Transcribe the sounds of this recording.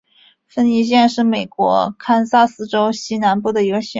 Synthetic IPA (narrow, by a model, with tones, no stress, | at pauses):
fə˥ni˧˥ɕ̬jɛ˥˧nʂɻ̩˥˩me˨˩ɪkwɔ̰˧˥kʰa˥nsa˥sɹ̩˥ʈ͡ʂo˥ʊɕi˥na˧˥npu˥˩d̪ə˩i˧˥ɡə˧ɕɛ˧˥˩